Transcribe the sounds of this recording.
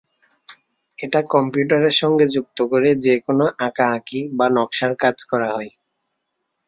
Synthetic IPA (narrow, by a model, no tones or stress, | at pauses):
eʈakɔmpjuʈaɾeɾʃɔŋɡed͡ʑuk̚t̪okoɾed͡ʑekonoʔakaakibanɔkʃaɾkad͡ʑkɔɾaɦɔe